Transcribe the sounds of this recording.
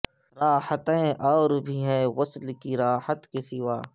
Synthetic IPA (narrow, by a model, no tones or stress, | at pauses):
ɾaːhət̪ẽʔɔːɾbʱiɦɛːɣʊslkiɾaːhət̪kesɪʋaː